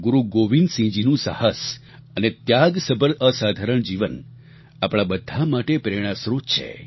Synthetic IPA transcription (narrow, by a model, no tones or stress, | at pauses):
ɡuɾuɡoʋinsĩd͡ʒinũsa̰həs | ənet̪jaɡsəbəɾʔəsad̪ʱaɾəɳd͡ʒiʋən | apɽ̃abəd̪ʱːamaʈepɾeɽ̃ãsɾut̪t͡ʃʰḛ